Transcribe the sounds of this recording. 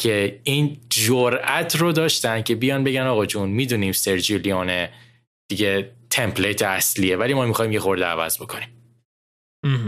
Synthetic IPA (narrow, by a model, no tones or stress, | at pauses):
cʰe̞iːnd͡ʒoɾæt̪ʰrod̪ɒːʃt̪ænd̪̥̚cʰe̞bijɒːnbe̞ɟænɒːɣɒd͡ʒunmid̪uniːmseɾd͡ʒilijɒːne | d̪̥iɟet̪ʰe̞mpʰlet̪ʰeæsliːevælimɒːmixɒːjimjexo̞ɾd̪eæ̰væ̰zbo̞kʰoniːm